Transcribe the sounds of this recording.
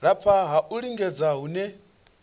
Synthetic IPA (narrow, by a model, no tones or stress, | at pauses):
ɺapʰaɦaʔuɺiŋɡɛd͡zaɦunɛ